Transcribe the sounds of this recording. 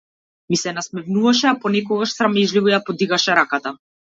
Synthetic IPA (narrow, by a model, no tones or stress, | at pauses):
misɛnasmɛvnuvaʃɛapɔnɛkɔɡaʃsɾamɛʒlivɔjapɔd̪iɡaʃɛɾakat̪a